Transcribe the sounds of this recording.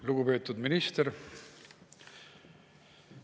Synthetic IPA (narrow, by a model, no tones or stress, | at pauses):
luɡ̥upe̞ːt̪ːˑud̪minist̪eɾ